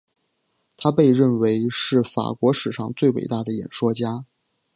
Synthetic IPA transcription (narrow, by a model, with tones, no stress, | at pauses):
t̪ʰa˥pe˥˧ɪɻə˥˩nwe˧˥ɪʂɻ̩˥˩fa̰˨˩kwɔ˧˥ʂɻ̩˨˩ʂɑ˥˧ŋt͡swe˥˩ɪwḛ˨˩ɪt̪a˥˩d̪ə˩jɛ̰˨˩nʂwɔ˥t͡ɕja˥